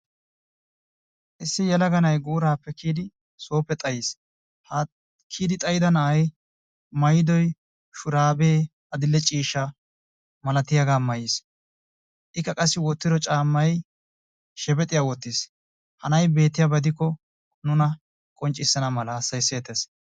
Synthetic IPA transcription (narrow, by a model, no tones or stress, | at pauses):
ʔɪsːɪjɛlɐɡɐnɐjɡuːɾaːpːɛkiːd̪ɪ | so̞ːpːɛt̪ʼɐjis | hɐ | kʰiːd̪ɪt̪ʼɐjɪd̪ɐnɐɐj | mɐjɪd̪ɔj | ʃʊɾaːbeː | ɐd̪ɪlːɛt͡ʃʼiːʃːɐ | mɐlɐt̪ɪjɐɡaːmɐjɪs | ʔɪkːɐkʼɐsːɪwɔt̪ːɪd̪ɔt͡ʃʼaːmːɐj | ʃɛbɛt̪ʼɪjawɔt̪ːɪs | hɐnɐjbe̞ːt̪ːɪjabɐd̪ɪkːɔ | nʊnɐ | kʼɔnt͡ʃʼːɪsːɐnɐmɐlɐːsːɐjseːt̪es